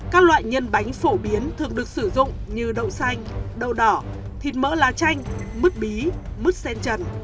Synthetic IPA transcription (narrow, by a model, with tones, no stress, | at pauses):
kaː˦˥k̚lwa̰ː˧˨jɲə˧nɓa˨˦jŋ̟fo˧˩ɓi˨˦ənt̪ʰɨ˨˩əŋɗɨ˨˩ək̚sɨ˧˩zʊ̰˧˨ŋ͡mɲɨ˧ɗə̰˧˨wsa˧jŋ̟ɗə̰˧˨wɗɔ˧˩ | t̪ʰi˨˩t̚mə̰ː˧˥laː˨˩t͡ɕa˧jŋ̟mɨ˦˥k̚ɓi˨˦mɨ˦˥k̚sɛ˧nt͡ɕə˧˩n